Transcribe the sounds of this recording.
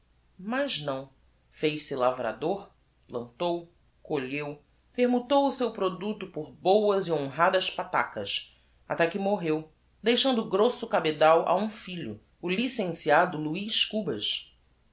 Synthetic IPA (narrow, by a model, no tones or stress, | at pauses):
mɐznɐ̃w̃ | fejʃsɪlavɾa̰d̪oɾ | plɐ̃nt̪ow | koʎew | peɾmũt̪owʊsewpɾod̪ut̪ʊpʊɾbowɐziõɦad̪ɐʃpat̪a̰kɐs | a̰t̪ɛkɪmoɦew | d̪ejʃɐ̃nd̪ʊɡɾosʊkabed̪awʔa̰ũfiʎʊ̰ː | lisẽsiad̪ʊluiʃkubɐʃ